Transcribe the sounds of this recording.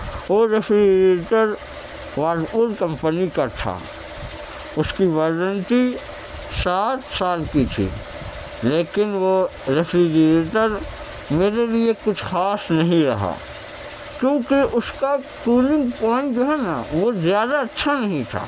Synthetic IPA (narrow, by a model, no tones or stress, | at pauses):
oːɾepɾieːʈəɾ | ʋaːulkɐ̃mpənikat̪ʰa̰ | ʊskiʋaːɾə̃nʈi | saːt̪saːlkit̪ʰḭː | leːkɪnʋoɾefʰɾid͡ʒəɾeːʈəɾ | meːɾeliekʊt͡ʃʰxaːsnɐɦĩɾɐɦa̰ː | kjõːkeʔʊskaʈuːnɪ̃ŋɡpɔːɪ̃ɳʈd͡ʒoːɦɛnaʋozjaːd̪aɐtːʃʰanɐɦĩt̪ʰa̰ː